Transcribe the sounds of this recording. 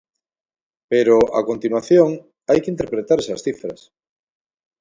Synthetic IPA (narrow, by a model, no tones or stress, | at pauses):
peɾoʔa̰kont̪inwaθjõŋ | ajkɪint̪̬eɾpɾet̪aɾesɐsθifɾɐs